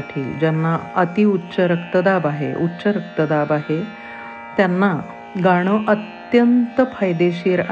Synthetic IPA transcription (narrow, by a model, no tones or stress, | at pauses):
ʈʰḭːd͡ʑanːaət̪iutːɕəɾəkt̪əd̪abaɦḛʔutːɕəɾək̚t̪əd̪abaɦe | t̪janːa | ɡaɽ̃əʔət̪jənt̪əfʰajd̪eɕiːɾa